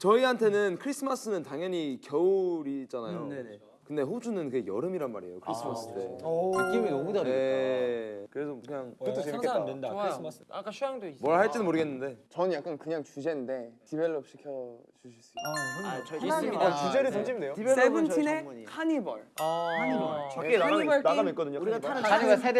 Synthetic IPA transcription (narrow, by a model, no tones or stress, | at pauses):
t͡ɕʌiɦantʰe̞nɯnkʰɯɾis͈ʰɯmas͈ɯnɯntaŋjʌɲikjʌuɾid͡ʑanajo | kɯnde̞ɸod͡ʑunɯnkɯɡe̞jʌɾɯmiɾanma̰ɾiḛjokʰɯɾis͈ʰɯmas͈ɯdeɯk͈iminɔmudaɾe | kɯɾe̞sʰoɯɲaŋɯtʰeadendaɾismsak͈aɕʰujaŋdomwʌɭhaɭt͡ɕ͈inɯnmoɾɯɡe̞nːɯnde̞t͡ɕʌnjak͈ankɯɲaŋt͡ɕud͡ʑe̞nnde̞tibe̞ɭːopɕ͈i̥kʰjʌt͡ɕuɕʰis͈u | aɲat͡ɕud͡ʑeɾɯs̬ʰʌŋd͡ʑimindejoibesbunʰinekʰaɲibʌɭaɲibʌaaɲibʌɭnaɡanoik͈ʌdɯɲouɾiɡaaɾɯaaɡasʰed